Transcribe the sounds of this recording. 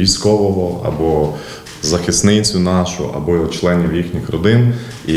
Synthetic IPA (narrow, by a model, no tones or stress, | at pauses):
ijsʲkɔʋɔʋɔɐ̰bɔ | zɐxɪsnɪt͡sʲʊnɑʃʊ̰ʔɐ̰bɔt͡ʃlˠɛnʲiwjixnʲixɾɔd̪ɪn | i